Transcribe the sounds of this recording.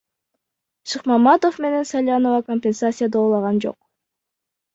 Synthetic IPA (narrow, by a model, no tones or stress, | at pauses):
ʃɨqmɑmɑt̪o̞fme̞ne̞nsalʲjanovɑkomʲpʲensat̪sʲɨjad̪oːlˠɑʁɑnd͡ʒo̞̰q̚